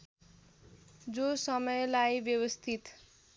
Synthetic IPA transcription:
d͡zosʌmʌjlajbjʌwʌst̪ʰit̪

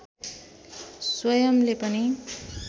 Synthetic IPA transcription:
swʌjʌmlepʌni

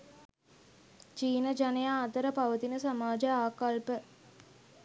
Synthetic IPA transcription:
t͡ʃiːnəd͡ʒanejaːt̪əɾəpaʋət̪inəsamaːd͡ʒəaːkalpə

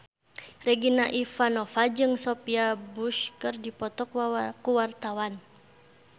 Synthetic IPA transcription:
rɛɡinaʔifanɔfad͡ʒɨŋsɔpiabuʃkɨrdipɔt̪ɔkkuwart̪awan

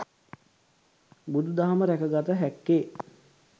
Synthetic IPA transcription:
bud̪ud̪aɦaməɾækəɡat̪əɦækːeː

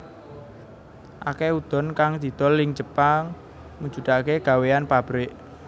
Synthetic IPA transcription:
ʔa̰keud̪̥ɔ̤nkaŋd̪̥i̤d̪̥ɔ̤lːɪŋd͡ʒəpaŋ | muɲd͡ʒṳd̪̥akeɡ̥a̤weanpab̥ɾɪʔ

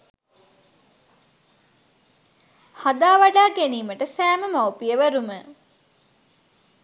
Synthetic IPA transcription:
had̪aːʋaɖaːɡeniːməʈəsæːməmawpijəʋæɾumə

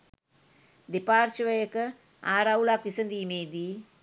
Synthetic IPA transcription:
d̪epaːɾʃiʋɐjɐkɐ | aːɾawulaːkʋisɐnd̪imeːd̪i

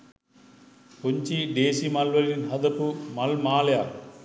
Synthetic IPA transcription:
poɲt͡ʃiɖeːsimɐlʋɐlinɦɐd̪ɐpumɐlmaːlja

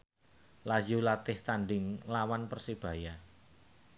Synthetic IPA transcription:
lad͡ʒulat̪ɪht̪aɳɖɪŋlawanpərsib̥ä̤ja

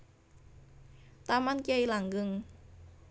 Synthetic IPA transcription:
t̪amankajlaŋɡɯŋ

